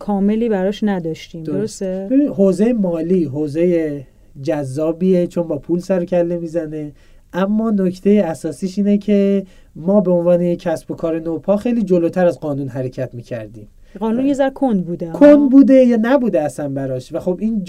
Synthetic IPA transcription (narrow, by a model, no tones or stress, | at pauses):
kʰɒːme̞liːbæɾɒʃnæd̪ɒːʃt̪iːmd̪oɾost̪ebebinihoːze̞jemɒːliːɦoːze̞je | d͡ʒæzːɒːbiːet͡ʃʰo̞nbɒːpʰuːlsæɾocʰælːe̞miːzæne̞ | ʔæmːɒːno̞cʰt̪ʰe̞jeæsɒːsiːʃiːnecʰe̞ | mɒːbe̞onvɒːnejecʰːæsbo̞kʰɒːɾe̞nopʰɒːxejliːd͡ʒo̞loːt̪ʰæɾæzɡɒːnuːnɦæɾe̞cʰæt̪miːcʰæ̰ɾd̪ḭːm | ɡɒːnunjezæɾkʰond̪buːd̪ækʰond̪buːd̪e̞jɒːnæbuːd̪eæsænbæɾɒʃvæxo̞biːn